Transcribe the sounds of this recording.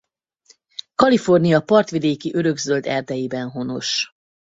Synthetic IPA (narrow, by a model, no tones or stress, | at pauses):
kɒlifo̞rnijɒpɒrt̪ʋid̪eːkiʔøɾø̞ɡzøld̪ɛrd̪ɛjibɛnɦo̞no̞̰ʃ